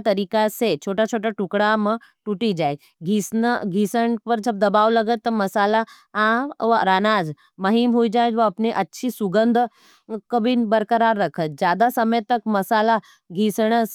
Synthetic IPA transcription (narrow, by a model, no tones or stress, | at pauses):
t̪ɐɾiːkaset͡ʃʰoːʈat͡ʃʰoːʈaʈukɽamə | ʈuʈid͡ʒaːe | ɡʱisnəɡʱisəɳpəɾd͡ʒɐb̚d̪ɐbaːʋlɐɡət̪ːəmɐsaːla | aʋɾaːnaːd͡z | mɐɦimɦoid͡ʒaːjd͡ʒʋəɐpneʔɐtːʃʰisuɡənd̪ʱ | kəbinbəɾkəɾaːɾːəkʰət̪̚d͡ʒjaːd̪asɐməjt̪ɐkmɐsaːla | ɡʱiːsɳ̃əs